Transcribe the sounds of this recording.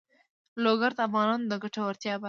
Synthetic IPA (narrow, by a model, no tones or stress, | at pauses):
loɡaɾt̪afɣɑnɑnod̪əɡaʈawaɾt̪jɑba